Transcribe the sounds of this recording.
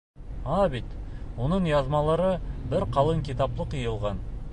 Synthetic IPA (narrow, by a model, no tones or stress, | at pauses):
ɑbet̪wo̞nəɴjɑzmɑlˠɑɾəbɪɾqʰɑlˠəŋkʲʰit̪ɑplˠəqəjəlˠʁɑn